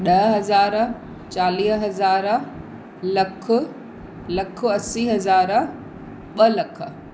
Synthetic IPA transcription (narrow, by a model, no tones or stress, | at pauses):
ɗɐɦɦɐzaːɾ | t͡ɕaːliːsɦɐzaːɾ | lɐkʰʊ | lɐkʰʊɐsiːɦɐzaːɾ | ɓɐlɐkʰə̆